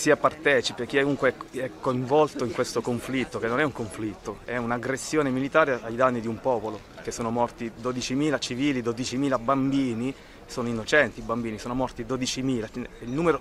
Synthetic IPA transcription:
siapart̪ɛːt͡ʃipekːiuŋkweɛɛkːoiɱvɔlt̪oiŋkwest̪okoɱflit̪ːokenːonɛuŋkoɱflit̪ːoɛunaɡɾesːjoːnemilit̪aːɾeajd̪anːid̪iumpɔːpolo | k̟esːoːnomɔrt̪id̪od̪it͡ʃimiːlat͡ʃiviːlid̪od̪it͡ʃimiːlabambiːni | soːnoinːot͡ʃɛnt̪iːbambiːnisoːnomɔrt̪id̪od̪it͡ʃimiːlailnuːmeɾo

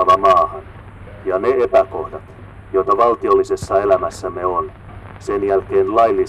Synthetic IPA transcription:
ɑʋɑmɑːhɑn | jɑneepæko̞hdɑt̪ | jo̞jt̪ɑʋɑlt̪io̞lːise̞sːɑelæmæsːæmeon | senjælkeːnlɑjlːi

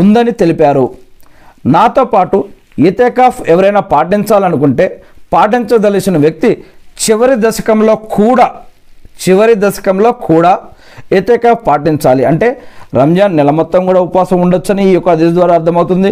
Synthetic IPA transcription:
und̪ɐnit̪e̞lipaːɾu | naːt̪o̞ːpaːʈu | et̪ɛːkaːpʰɛʋɐɾɐjnaːpaːʈiɲt͡ʃaːlɐnuk̬uɳʈe̞ːpaːʈiɲt͡ʃɐd̪ɐlit͡ʃinɐʋjɐk̚t̪it͡ʃiʋɐɾid̪ɐʃɐ̥kɐmlo̞ːkʰuːɽaː | t͡ʃiʋɐɾid̪ɐʃɐ̥kɐmlo̞ːkuːɽaː | et̪ɛːkaːpʰpaːʈiɲt͡ʃaːliɐɳʈe̞ːɾɐmd͡ʒaːnːɛlɐmɔt̪ːɐŋkuːɽaːupʋaːsɐmuɳɖot͡ʃːɐniːjɔkːad̪isɐd̪ʋaːɾaːɐɾt̪ʰːɐmɐwt̪und̪i

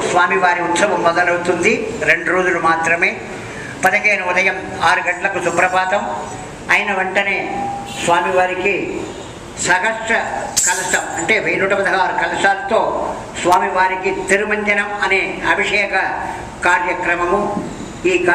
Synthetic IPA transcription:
sʋaːmiʋaːɾiut̪sɐʋɐmːɐd̪ɐlɐwut̪und̪iɾeɳɖuɾoːd͡ʒulumaːt̪ɾɐmeː | pɐd̪ɐkeːnɐud̪ɐjɐmaːɾuɡɐɳʈlɐkusupɾɐbaːt̪ɐm | ɐjinɐʋuɳʈɐne̞ː | sʋaːmiʋaːɾiki | sɐkɐʂʈɾɐkɐlɐsɐmɐɳʈeːʋʱejnuːʈɐpɐd̪ʱɐɦaːɾukɐlɐsaːlt̪oː | sʋaːmiʋaːɾikit̪iɾumɐɲd͡ʒɐnɐmɐneːɐbʱiʂɛːkɐ | kaːɾjɐkɾɐmɐmu | iːk

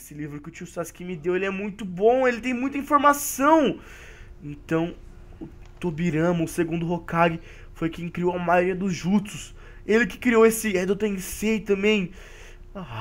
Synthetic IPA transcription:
sɪlivɾʊkɪʊt͡ʃiuʊsaskĩmɪd̪ewelɪɛmũj̃t̪ʊbõw̃elɪt̪ẽj̃mũj̃t̪ɐĩfoɾmasɐ̃w̃ | ẽnt̪ɐ̃w̃ | ʊ | t̪obiɾɐ̃mɐʊseɡũnd̪ʊɦokaɡɪ | fojkẽj̃kɾiowamajoɾiɐd̪ʊzʒut̪ʊs | elɪkɪ̥kɾiowesɪɛd̪ot̪ɐẽset̪ɐ̃mbẽj̃ | a

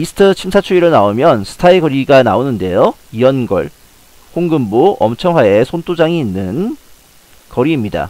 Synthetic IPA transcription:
isʰɯ̥tʰʌt͡ɕʰimsʰat͡ɕʰuiɾɯɭnaomjʌnsʰɯ̥tʰaiɡʌɾiɡana̰onɯnde̞joiʌnɡʌ̰ɭ | hoŋɡɯmboʌmt͡ɕʰʌŋɦwaesʰont͈ʰod͡ʑaŋiːnːɯn | kʌɾiːmɲida̰

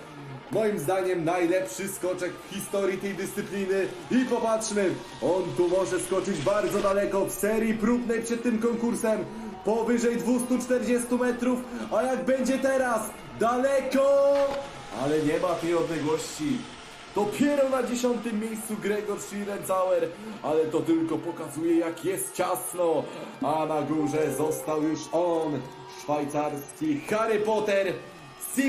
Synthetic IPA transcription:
mɔjimzd̪aɲɛmnajlɛpʂɘskɔt͡ʂɛkfxʲist̪ɔɾʲjit̪ɛjd̪ɘst̪sɘplʲinɘipɔpatʂmɘ | ɔnt̪umɔʐɛskɔt͡ʂɘd͡ʑbaɾd̪zɔd̪alɛkɔfsɛɾʲjipɾubnɛjpʂɛt̪ːɘmkɔŋkuɾsɛm | pɔvɘʐɛjd̪vust̪ut͡ʂt̪ɛɾd͡ʑɛst̪umɛt̪ɾufajaɡbɛɲd͡ʑɛt̪ɛɾas | d̪alɛkɔ | a̰lɛɲɛmat̪ɛjɔd̪lɛɡwɔɕt͡ɕi | d̪̥ɔpʲjɛɾɔnad͡ʑeɕɔnt̪ɘmːjejst̪suɡɾɛɡɔɾʂiɾɛnt̪sawɛɾalɛt̪ɔt̪ɘlkɔpɔkazujɛjakjɛst̪̚t͡ɕasnɔanaɡuʐɛzɔst̪awjuʂɔn | ʂfajt̪saɾskʲixaɾɘpɔt̪ɛɾ | si

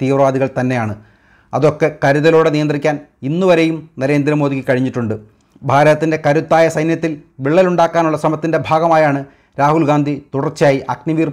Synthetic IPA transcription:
t̪iːʋrɐʋaːd̪iɣɐɭt̪ɐnːe̞jaːɳɨ | ɐ̰ðo̞kːe̞kɐɾuðɐlo̞ːɽenijɐnd̪rikʲːaːninːuʋɐɾe̞jumnɐɾe̞ːnd̪ɾɐmoːðikʲːɨkɐɻiɲːiʈːuɳɖɨ | bʱaːɾɐɐt̪ːinde̞kɐɾut̪ːaːjɐsɐjnjɐt̪ːilʋiɭːɐluɳɖaːkːaːnuɭːɐsrɐmɐt̪ːinde̞bʱaːɡɐmaːjaːɳɨ | ɾaːɦulɡaːnd̪ʱit̪uɽɐrt͡ɕaːjiʔɐkniʋiːr

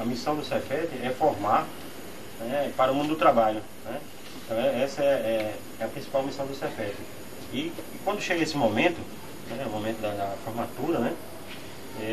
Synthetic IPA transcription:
ɐmisɐ̃w̃d̪ʊsɛfɛt̪ɪɛfɔɦma | nɛpaɾʊmũd̪ʊd̪ʊt̪ɾabaʎʊ | nɛ | ẽt̪ɐ̃w̃ɛɛsɐɛɛ | ɛɐpɾĩsi̥pawmisɐ̃w̃d̪ʊsɛfɛt̪ɪ | i | kwɐ̃nd̪ʊʃeɡɐesɪmõmẽnt̪ʊ | nɛumõmẽt̪ʊd̪ɐd̪ɐfoɾmat̪uɾɐnɛ | ɛ

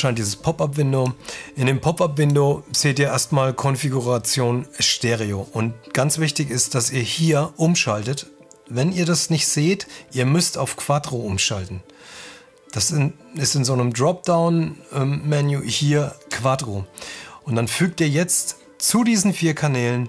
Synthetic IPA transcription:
ʃaɪntdiːzəspʰɔpapvɪndoʔɪndeːmpʰɔpapv̥ɪndoz̥eːtiːɐʔeːɐstmaːlkʰɔnfiɡuʁat͡sjoːnɛʃteːʁioʔʊnt̚ɡ̥ant͡sv̥ɪçtɪçɪst̚d̥asiːɐhiːɐʔʊmʃaltət | vɛniːɐdasnɪçtz̥eːtʔiːɐmʏstaʊfkʰv̥aːdʁoʔʊmʃaltn̩ | d̥asɪ | ɪstɪnzoːnəmdʁɔp̚d̥aʊnɛmmɛnjuːhiːɐkʰv̥adʁoʔʊntd̥anfyːk̚tiːɐjɛt͡st | t͡sudiːzn̩fiːɐkʰanɛːlən

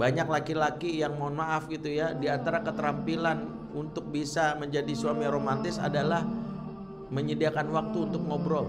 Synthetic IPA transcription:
baɲak̚lakilakijaŋmanmaʔafɡit̪ujadiant̪aɾakət̪əɾampilan | unt̪ʊk̚bisaməɲd͡ʒadisuamiɾomant̪ɪsa̰dalah | məɲədiakanwak̚t̪uːnt̪ʊk̚ŋobɾɔ

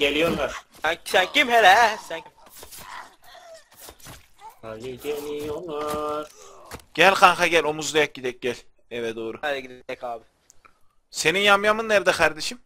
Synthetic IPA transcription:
ɟelʲijo̞ɾlˠaɾ̥ | ænsæncʰimhelɛsænim | haliɟenijolaɾɟ̥ælʲxanxaɟælʲo̞muzd̪ajak̚ɟid̪ɛc̚ɟælʲ | ɛvɛd̪oːɾuɛlɛɡid̪ɛkʰaːbɪ | se̞ninjamjamɯnːæɾd̪ɛkʰaɾd̪eʃim

